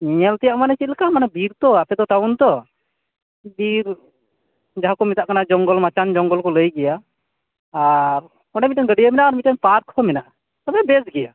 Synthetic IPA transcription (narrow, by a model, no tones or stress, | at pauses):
iɲɛlt̪ɛjaʔmanɛt͡ʃit̪̚lɛkamanabiɾt̪ɔapɛd̪ɔʈawnt̪ɔ | biɾ | d͡ʒaɦakɔmit̪aʔkanad͡ʒɔŋɡɔlmat͡ʃand͡ʒɔŋɡɔlkɔləjɡɛjaː | ɾ | kɔɖɛmit̚ɛnɡəɖijamɛnaʔːɾmitɛnpaɾkɔmɛnaʔ | t̪ɔbɛbɛsɡɛja̰